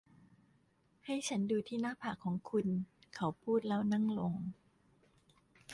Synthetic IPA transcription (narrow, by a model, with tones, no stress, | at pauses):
ha˥˩jt͡ɕʰa˦˥nduː˧t̪ʰiː˥˩naː˥˩pʰaː˨˩kʰːɔː˩˦ŋkʰu˧nkʰa˦˥wpʰuː˥˩t̪̚lɛː˦˥˩wna˥˩ŋlo˧ŋ